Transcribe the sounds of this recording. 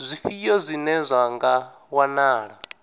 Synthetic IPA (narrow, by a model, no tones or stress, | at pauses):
zʷifijɔzʷinɛzʷaŋɡa | wanaːɺa